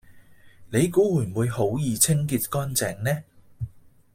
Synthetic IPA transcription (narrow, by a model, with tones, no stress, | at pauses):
ne˨˧jkuː˨˥wuː˨˩˨wuː˨˧jho˨˥wjiː˨˧t͡sʰɪ˥ŋki˧t̚kɔː˥nt͡sɛː˨ŋnɛː˥